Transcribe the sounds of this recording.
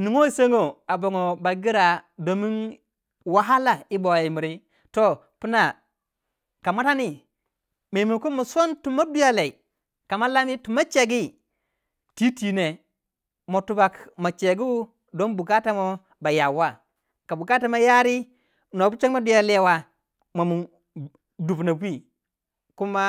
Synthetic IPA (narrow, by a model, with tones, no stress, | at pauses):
ni˨ŋo˦i˦se˦ŋo˨a˨bo˨ŋo˨ba˨ɡi˦ɾa˨do˨˦mi˦n | wa˦ɦa˦la˨i˦bo˨i˨mi˨ɾi˦ | to˦ | pi˦na˨ | ka˨ma˦ta˦ni˦ | ma˨i˨mi˨nku˦mo˨sʷo˦ntu˨ma˦du˦ja˦le˨i˨ | ka˨ma˦la˦mi˦tu˨ma˦t͡ʃe˨ɡi˦ | ti˦ti˨ne˨ | mo˨tu˦ba˨kma˨t͡ʃe˨ɡi˦u˦ | do˦nbu˨ɡa˦ta˦mo˦ | ba˨ja˨wa˦ | ka˨bu˨ɡa˦ta˦ma˦ja˦ɾi˦ | no˨bu˦t͡ʃe˦kma˦du˦ja˦le˦wa˦ | ma˨mu˨ | du˨bna˨wi˦ | ku˦ma˦